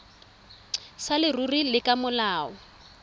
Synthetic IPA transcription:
salɪrurilɪkʼamʊlaːɔ

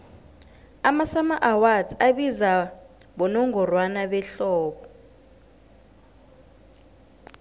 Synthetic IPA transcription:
amasamaʔawad͡zʰaɓizaɓɔnɔŋɡɔrwanaɓɛɬɔːɓɔ

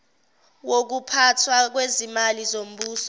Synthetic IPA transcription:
wok̬upʰatʰwak̬wezimalizom̩ɓuːsɔ̥

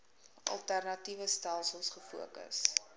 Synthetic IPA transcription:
ʔɐ̰lˠtærnɐtivəstælˠsəlˠsχəfuəkə̰s

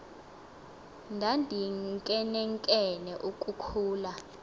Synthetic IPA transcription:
ndʱandʱiŋkʼɛnɛŋkʼɛnɛʔukʼukʰuːla

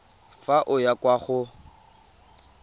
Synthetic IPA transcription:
faʔʊjakʼwaχʊ

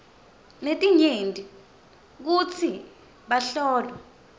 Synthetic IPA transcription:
netʼiɲentʼi | k̬ut͡sʰi | ɓaɬɔːlwɛ

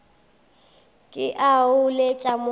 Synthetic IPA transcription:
kʼɪʔaʊlet͡ʃʼamʊ

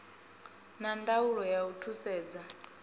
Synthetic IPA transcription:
nandauɺɔjautʰusɛːd͡za

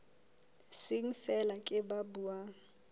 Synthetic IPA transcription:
sɪŋ̩fɛlakʼɪbabuːa

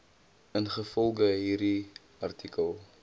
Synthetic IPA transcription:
ənχəfɔlˠɡəɦiːrdi | ɐrtʰikəlˠ

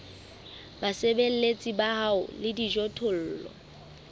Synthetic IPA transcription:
basebel̩let͡sʼibaɦaʊ̰lɪdid͡ʒɔtʰʊl̩ːlɔ̰

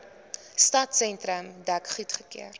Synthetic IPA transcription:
stɐtsɛntɾəmdækχitχə̥kḭər

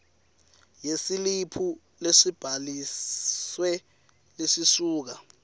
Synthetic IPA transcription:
jesilipʰu | leʂib̥ʱaliswɛ | lesisuːk̬a

